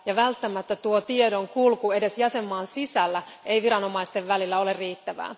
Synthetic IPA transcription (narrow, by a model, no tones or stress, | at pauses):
jɑʋælt̪ːæmæt̪ːæt̪uot̪ie̞do̞ŋkulkue̞de̞sjɑse̞mːɑːnsisælːæ | e̞jʋiɾɑno̞mɑist̪e̞ʋʋælilːæo̞lerriːt̪ːæʋæ̰ː